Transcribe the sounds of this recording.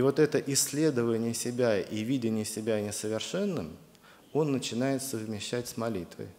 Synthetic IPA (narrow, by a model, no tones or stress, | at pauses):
vo̞t̪ɛt̪əʔɪsʲːlʲe̞d̪əvənʲɪjəsʲɪbʲæʔivʲidʲɪnʲɪjəsʲɪbʲænʲɪsəvʲɪrʂɛnːɨm | o̞nːət͡ɕɪnajɪt̪səvmʲɪɕːætʲsʲmɐlʲit̪və̰j